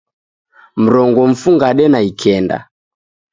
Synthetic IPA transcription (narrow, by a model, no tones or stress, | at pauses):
m̩ɾɔŋɡɔm̩fuŋɡaɗɛnaikʰɛnda̰